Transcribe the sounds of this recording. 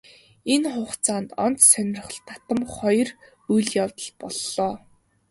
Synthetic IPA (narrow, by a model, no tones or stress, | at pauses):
enχʊːχt͡sʰaːnt̪ɔnt̪sœnʲɪ̆r̆χə̆ɮt̪ːat̪ə̆mχɔj̆r | ujɮjawt̪ə̆ɮpɔɮːɔː